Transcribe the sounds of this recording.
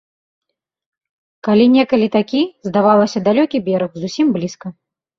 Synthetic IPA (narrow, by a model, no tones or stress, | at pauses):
kalʲinʲɛkɐlʲit̪akʲizd̪avalˠɐsʲɐd̪alʲɔkʲibʲɛɾɐxzusʲimblʲiskɐ